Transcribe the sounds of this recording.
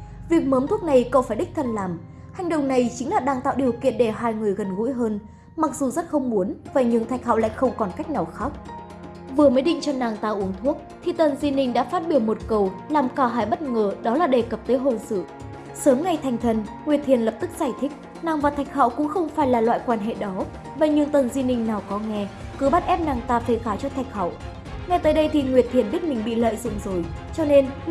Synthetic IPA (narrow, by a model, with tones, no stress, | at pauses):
vi˨˩ək̚məː˨˦mt̪ʰu˦˥ək̚na˨˩jkə˨˧wfaː˧˩jɗï˦˥k̚t̪ʰə˧nlaː˨˩m | ha˨˩jŋ̟ɗo̰˧˨ŋ͡mna˨˩jt͡ɕï˨˦ŋ̟laː˨˩ɗaː˧ŋt̪a̰ː˧˨wɗi˨˩əwkḭ˧˨ənɗe˧˩ɦaː˧jŋɨ˨˩əjɣə˨˩nɣṵ˧˥jɦəː˧n | ma˨˩k̚zu˨˩zə˦˥t̚xə˧wŋ͡mmu˨˦ənvaː˨˩ɲɨ˧ŋt̪ʰa˨˩jk̚hɔ̰˧˨wla̰ː˧˨jxə˧wŋ͡mkɔ˨˩nka˦˥jk̚na˨˩wxa˦˥k͡p̚ | vɨ˨˩əməː˨˦jɗḭ˧˨ŋ̟t͡ɕɔ˧naː˨˩ŋt̪aː˧wʔu˨˦əŋt̪ʰu˦˥ək̚t̪ʰi˨˩t̪ə˨˩nzwi˧nï˧ŋ̟ɗa̰ː˧˥faː˦˥t̚ɓi˧˩əwmo˨˩t̚kə˨˩wlaː˨˩mkaː˧˩ɦaː˧˩jɓə˦˥t̚ŋəː˨˩ɗɔ˨˦laː˨˩ɗe˨˩kə˨˩p̚t̪əː˨˦jɦo˧˩nsɨ̰˧˨ | səː˨˦mŋa˨˩jt̪ʰa˨˩jŋ̟t̪ʰə˨˩nŋwi˨˩ət̚t̪ʰi˨˩ənlə˨˩p̚t̪ɨ˦˥k̚z̥aː˧˩jt̪ʰï˦˥k̚ | naː˨˩ŋvaː˨˩t̪ʰa˨˩jk̚ɦɔ̰˧˨wkʊ̰˧˥ŋ͡mxə˧wŋ͡mfaː˧˩jlaː˨˩lwa̰ː˧˨jkwaː˧nɦḛ˧˨ɗɔ˨˦ | ɓə˧˨jɲɨ˧ŋt̪ə˨˩nzwi˧nï˧ŋ̟naː˨˩wkɔ˨˦ŋɛ˧ | kɨ˨˦ɓa˦˥t̚ʔɛ˦˥p̚naː˨˩ŋt̪aː˧fe˨˧˩xaː˧˩t͡ɕɔ˧t̪ʰa˨˩jk̟̚hɔ̰˧˨w | ŋa˧jt̪əː˨˦jɗə˧jt̪ʰi˨˩ŋwi˨˩ət̪ʰi˨˩ənɓi˦˥ət̚mï˨˩ŋ̟ɓḭ˧˨lə̰ː˧˨jzʊ̰˧˨ŋ͡mzo˨˩j | t͡ɕɔ˧ne˧n